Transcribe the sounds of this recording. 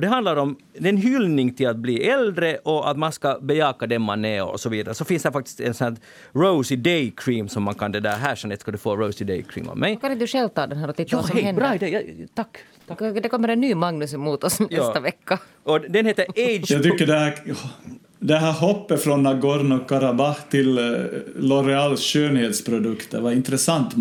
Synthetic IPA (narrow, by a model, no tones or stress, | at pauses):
ɔd̪ɛɦɑnd̪laɾɔm | d̪ɛɛnɦʏlnɪŋt̪ʰɪlat̪̚bliːʔɛld̪ɾəʔɔa̰t̪manskɑbɛjɑːkad̪ɛnma̰nɛɾɔ̰sɔviːd̪aɾəsɔfɪnsd̪ɛɾfak̚t̪ɪ̥st̪ɛ̰nsɔnæ | ɾəʊsɪd̪ɛɪkʰɾiːmsɔmːankʰɑnd̪ɛd̪æːɾɦæːʂɛnɛt̪skad̪ʉfoːɾəʊsɪd̪ɛ̰ɪkʰɾḭːmɔ̰mːɛjkanɪd̪ʉʂɛːlt̪ɑːd̪ɛnɦæːɾɔt̪ʰɪt̪jːɑːɔɛɛnbɾɑːɪd̪ɛjɑt̪ʰakː | t̪ʰd̪ɛkʰɔmːəɾɛnːyːmɑŋnʉsmːuːt̪ɔsj̪ɛɑsːt̪aʋɛkːa | ɔd̪ɛnheːt̪əɾɛɪd͡ʒjat̪ʏkːəɖɛhæːh | d̪ɛɦæːɾɦɔpːəfɾɔnːɑɡɔɾnɔkʰːɑɾɑbɑht̪ʰɪl | lɔɾɛɑlsʃøːnheːt̪spʰɾʊd̪ɵkt̪əʋɑɾɪnt̪ɾɛsɑnt̪